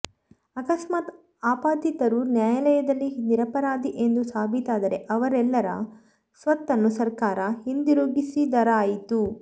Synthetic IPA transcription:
ɐkɐsmaːt̪ | aːpaːd̪it̪ɐɾunjaːjɐlɛjɐd̪ɐlːid̪iɾɐpɐɾaːd̪iʔe̞nd̪usaːbʱit̪aːd̪ɐɾe̞ʔɐʋɐɾɛlːɐɾɐ̰ | sʋɐt̪ːɐnːusɐɾkaːɾɐhind̪iɾuːɡisid̪ɐɾɐaːjit̪u

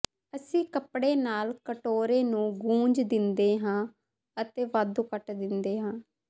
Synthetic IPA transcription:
əsĩːkəpɽeːnaːlkəʈoːɾeːnũːɡũːɲd͡ʒd̪ɪnd̪eːɦãː | ət̪eːʋaːd̪uːkəʈd̪ɪnd̪eːɦãː

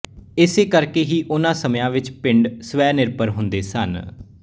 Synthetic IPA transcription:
ɪseːkəɾkeːɦiːʔʊnãːsəmjãːʋɪt͡ʃpɪɳɖsʋɛːnɪɾpəɾɦʊnd̪eːsən

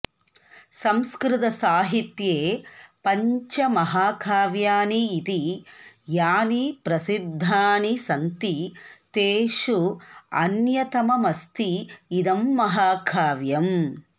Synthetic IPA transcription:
sɐmskɾɪt̪ɐsaːɦit̪jeːpɐɲt͡ʃɐmɐɦaːkʰaːʋjaːniːt̪ijaːnipɾɐsid̪ʱːaːnisɐnt̪it̪eːʃuɐ̰njɐt̪ɐmɐmɐst̪iːd̪ɐmːɐɦaːkʰaːʋjɐm

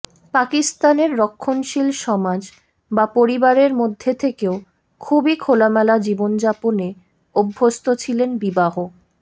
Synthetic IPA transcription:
pakist̪aneɾːokʰːonʃilʃɔmad͡ʑ | bapoɾibaɾeɾmod̪ʱːet̪ʰekeo | kʰubikʰolamɛlad͡ʑibond͡ʑapone | obʱːost̪ʰot͡ɕʰilenbibaɦo

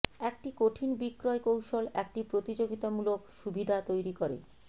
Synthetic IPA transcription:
ɛk̚ʈikoʈʰinbikːɾɔekowʃolɛk̚ʈipɾot̪id͡ʑoɡit̪amulokʃubʱid̪ʱat̪ojɾikoɾḛ

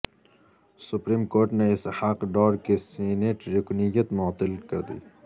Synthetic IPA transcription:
sʊpɾiːmkoːɾʈneɪshaqɖɔːɾkiseːneːʈɾʊknɪjət̪mɔːt̪ːɪlkɐɾd̪ḭː

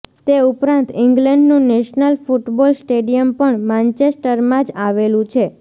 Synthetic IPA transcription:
t̪eupɾãnt̪ɪ̃ŋɡləɳɖnũnɛʃnəlfuʈbolsʈeɖijəmpəɳmãnt͡ʃesʈəɾmãd͡ʒaʋelũt͡ʃʰe

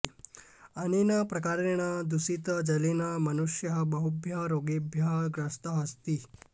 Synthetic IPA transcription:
ɐninɐpɾɐkaɾeɳ̃ɐd̪usit̪ɐd͡ʒɐlinɐmɐnuʃjɐɦɐbɐɦubʱjɐɾoɡibʱjɐɦɐɡɾɐst̪ɐɦɐst̪i

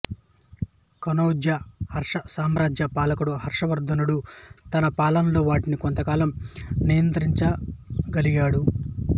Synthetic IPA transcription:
kɐnoːd̪jɐhɐɾʂɐsaːmɾaːd͡ʒjɐpaːlɐkuɽuɦɐɾʂɐʋɐɾd̪ɐnuɽut̪ɐnɐpaːlɐnlo̞ːʋaːʈiniko̞nt̪ɐkaːlɐmnijɐnt̪ɐɾiɲt͡ʃɐɡɐliɡaːɽu

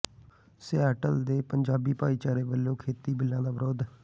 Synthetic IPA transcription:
sɪɛːʈəld̪eːpəɲd͡ʒaːbiːpaːiːt͡ʃaːɾeːbəlːõːkʰeːt̪iːbɪlːãːd̪aːbɾoːd̪

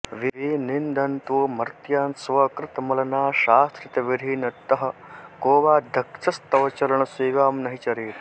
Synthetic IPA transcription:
ʋiiːnind̪ʱɐnt̪umɐɾt̪jaːnsʋɐkɾɪt̪ɐmɐlɐnaːʃaːst̪ɾɐt̪ɐʋid̪ʱiːnɐt̪ɐɦɐ̆koːʋaːd̪ʱɐkt͡ʃɐst̪ɐʋɐt͡ʃɐɾɐɳɐseːʋaːmnɐɦit͡ʃɐɾiːt̪

